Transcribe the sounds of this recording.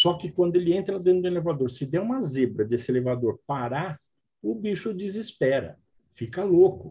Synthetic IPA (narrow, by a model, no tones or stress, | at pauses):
sɔkɪkwɐ̃nd̪ʊelɪẽnt̪ɾɐd̪ẽnt̪ɾd̪ʊelevad̪oɾsɪd̪ɛũmɐzebɾɐd̪esɪelevad̪oɾpaɾa | ʊbiʃʊd͡ʒizispɛɾɐ̰ | fikɐlokʊ